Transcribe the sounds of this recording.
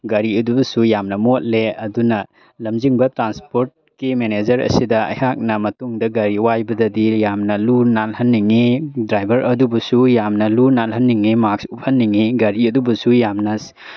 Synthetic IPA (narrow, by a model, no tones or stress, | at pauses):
ɡɐɾiɐdubɐsujamnɐmot̚leɐdunɐ | lɐmd͡ʒiŋbɐtɾanspoɾt̚ | kimened͡ʒɐɾɐ̰sidɐɐ̰jhak̚nɐmɐtuŋdɐɡɐɾiwajbɐdɐdijamnɐlunalhɐnːiŋidɾajbʱɐɾʔɐdubɐsujamnɐlunalɦɐnːiŋimaksup̚hɐnːiŋiɡɐɾiɐdubɐsujamnɐs